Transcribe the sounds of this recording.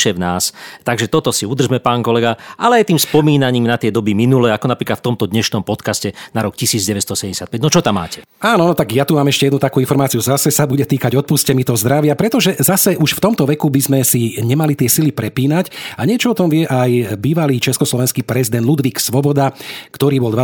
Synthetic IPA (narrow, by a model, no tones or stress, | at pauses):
ʃɛʋnaːst̪aɡʒɛt̪ɔt̪ɔsiud̪r̩ʒmɛpaːŋkɔlɛɡaʔalɛajt̪iːmspɔmiːnaɲiːmnat̪ɪɛd̪ɔbiminulɛakɔnapɾiːklat̪ft̪ɔmt̪ɔd̪ɲɛʃnɔmpɔt̪kascɛnaɾɔkcisiːd͡zɟɛʋɛst̪ɔsɛɟɛɲɛsjat̪̚pɛɟnɔt͡ʃɔt̪amːa̰ːcɛ | aːnɔnɔt̪aɡjat̪umaːmɛʃcɛjɛd̪nut̪akuːinfɔɾmaːt͡siuzasɛsabuɟɛt̪iːkaɟɔt̪̚puːscɛmit̪ɔɦɔzd̪ɾaʋɪapɾɛt̪ɔʒɛzasɛʔuʃft̪ɔmt̪ɔʋɛkubizmɛsiɲɛmalit̪ɪɛsilipɾɛpiːnacaɲɪɛt͡ʃɔɔt̪ɔmʋɪɛʔajbiːʋaliːt͡ʃɛskɔslɔʋɛnskiːpɾɛzid̪ɛnd̪lud̪ʋiːksʋɔbɔd̪akt̪ɔɾiːbɔld̪ʋa